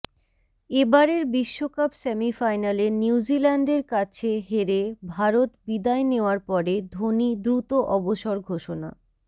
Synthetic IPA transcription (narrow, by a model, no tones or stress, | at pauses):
ebaɾeɾbiʃːokapsɛmifajnaleniuwd͡ʑilaɳɖeɾkat͡ɕʰeɦeɾebʱaɾot̪bid̪aeneoaɾpɔɾed̪ʱonid̪ɾut̪oʔɔboʃoɾɡʱoʃona̰